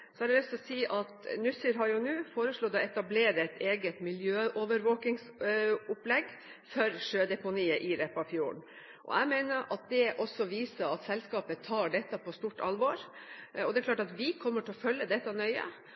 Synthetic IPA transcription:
sɔæɖɛlɛst̪ɔsiːʔɑt̪nʉsəɾɦɑɾjʊnʉːfoːɾəʂɭɔːd̪ɔɛt̪ɑbleːɾəɛt̪ʰeːɡət̪mɪljøːʔoʋəɾʋoːkɪŋsʊplɛɡ | fœɾʂøːd̪ɛpʊniːəʔɪɾɛpːɑfjuːɳ | ʔɔ̰æ̰ɪmeɪnəɾʔɑt̪̚d̪ɛʔɔsːɔʋiːsəɾɑt̪sɛlskɑːpət̪ʰɑːɖɛt̪ːɑpʰɔst̪uːʈɑ̰lʋɔɾ | ɔd̪ɛklɑːʈɑt̪ʋɪkʰɔmːəʈʰɪɔfœlːəd̪ɛt̪ːɑnœʏə̰

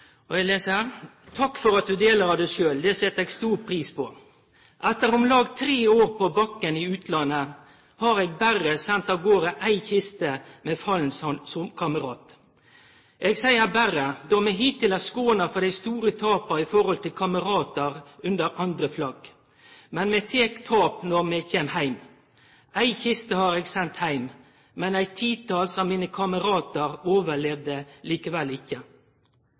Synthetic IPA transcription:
ɔɛleːsəhæːʁ | t̪ʰɑkːfɔɾɑt̪̚d̪ʉd̪eːləɾɑʋd̪æɪʂøːld̪ɛsɛt̪ːɛːɡst̪uːɾpʰɾiːspʰɔ | ʔæt̪ːəɾʊmlɑːɡt̪ʰɾeːoːʁpʰɔbɑkːənɪʉːt̪lɑnːə | hɑɾeːɡ̚bæʁəsɛnt̪ɑːʋɡoːɾəʔæɪçɪst̪əmɛfɑlnssɔmkʰɑməɾɑːt̪ | ʔeɡsæɪəbæɾəd̪ɔmɛɦɪt̪ʰːɪlæskoːnɑfɔd̪æɪst̪uːɾət̪ʰɑːpɑɪfɔɾɔlt̪ɪlkʰɑməɾɑːt̪əʁʉnd̪əɾʔɑnd̪ɾəflɑɡ | mɛnmɛt̪ʰeːkt̪ʰɑːpnɔʁmɛɡçeːmhæɪm | ʔæɪçɪst̪əhɑːɾeːɡsɛnt̪hæɪm | mɛnæɪtt̪ʰiːt̪ɑːlsɔmːiːnəkʰɑməʁɑːt̪əɾoːʋəlɛʋd̪əliːkəʋɛlɪkːə

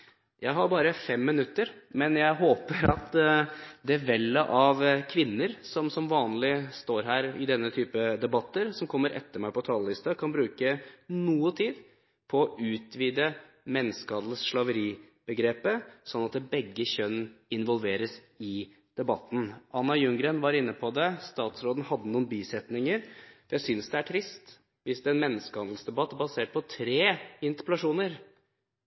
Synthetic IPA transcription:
jʔæɪɦɑɾbɑːɾəfɛmːɪnʉt̪ːəɾmɛnjæɪɦoːpəɾɑ̰t̪ | d̪ɛʋɛlːəʔɑʋkʰʋɪnːəɾsɔmsɔmʋɑːnlɪst̪oːɾɦæːɾɪ̰d̪ɛnːət̪ʰyːpəd̪ɛbɑt̪ːəɾsɔmkʰɔmːəɾʔɛ̰t̪ːəɾmæɪpɔt̪ʰɑːləlɪst̪ɑkʰɑnbɾʉːkənuːət̪ʰiːd̪ | pʰɔɔʔʉːt̪ʰʋiːd̪ə | mɛnːskɑːd̪lsʂlɑʋəɾiː | b̥əɡɾeːpəsɔnːɑt̪̚d̪ɛbɛɡːəçœnɪnʋɔlʋeːɾəs | ɪ | d̪̥ɛbɑt̪ːn̩ɑnːɑjʉŋɡɾənʋɑɾɪnːəpʰɔd̪ɛst̪ɑːt̪sɾoːd̪n̩hɑd̪ːənuːnbiːsɛt̪nɪŋəɾjæɪsʏnsd̪ɛæʈʰɾɪst̪ | ʋɪsd̪ɛɛnmɛnːəskəhɑnd̪l̩sd̪ɛbɑt̪ːbɑseːʈ̚pʰɔt̪ʰɾeːɪnt̪ə̥pəlɑʂuːnəɾ

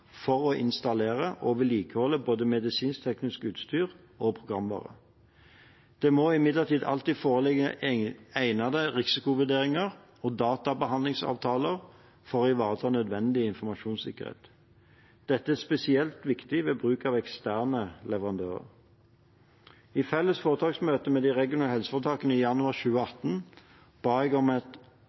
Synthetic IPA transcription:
fɔʁɔʔɪ̰nst̪ɑleːʁəʔɔʋɪliːkəhɔlːəboːd̪əmɛd̪ɪsiːnst̪ʰɛknɪskəʉːt̪st̪yːʁ | opʰʁʊɡʁɑmʋɑ̰ːʁə̰ | d̪̥ɛːmoɪmɪd̪ləʁt̪ʰiːd̪ɑ̰lt̪iːd̪foːʁəlɛɡə | æɪnɑd̪əʁɪsɪkʊʋʉd̪eːʁɪŋəʁ | ɔd̪ɑːt̪ɑbəɦɑnd̪lɪŋsɑ̰ːʋt̪ʰɑːləʁ | fɔʁɔɪʋɑːʁət̪ʰɑːnœd̪ʋɛnd̪ɪɪnfɔmɑʃuːnsɪ̰kːə̰ʁhḛːt̪ | d̪̥ɛt̪ːəæspɛsɪɛlt̪ʋɪkt̪ɪʋeːbʁʉːkɑʋɛkst̪æːʁnəlɛʋəʁɑnd̪øːʁə̰ʁ | ɪfɛlːəsfoːʁət̪ʰɑːksmøːt̪əmɛːd̪iʁɛɡɪʊnɑːhɛlsə̥fɔːʁt̪ʰɑːkənəiːjɑnʉɑːʁʃʉːəɑt̪n | b̥ɑːɛɡɔmɛt̪

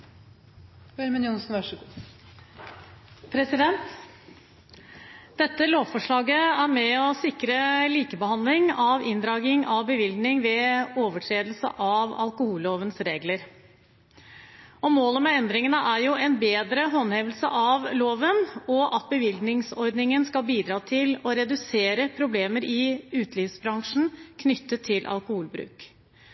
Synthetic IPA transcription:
øɾmənjʊnsn̩ʋœʂə | pʰɾɛsɪd̪ɛnt̪ | d̪̥ɛt̪ːəloːʋfɔʂɭɑːɡəæɾmɛɔsɪkɾəliːkəbəhɑnd̪lɪŋɑʋɪnd̪ɾɑːɡɪŋɑʋbəʋɪlɡ̪nɪŋʋɛoːʋəʈʰɾeːd̪l̩sə̰ʔɑʋɑlˠkʊhuːlːoːʋənsɾeːɡləɾ | ɔmoːləmɛɛnd̪ɾɪŋənəʔæɾjʊɛnbeːd̪ɾəɦɔnheːʋəlsə̰ʔɑʋloːʋənɔʔɑt̪̚bəʋɪlɡnɪŋsɔɾd̪nɪŋənskɑlbiːd̪ɾɑːt̪ʰɪlɔɾɛd̪ʉseːɾəpʰɾʊbleːməɾɪʉːt̪liːfsbɾɑŋʂn̩kʰnʏt̪ʰːət̪ʰːɪlʔɑ̰lkʊhuːlbɾʉ̰ːk

